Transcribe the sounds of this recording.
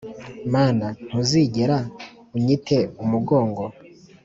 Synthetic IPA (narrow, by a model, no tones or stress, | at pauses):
maːnan̥huziɟeɾa | uɲitʰe̞umuɡo̞ːŋɡo̞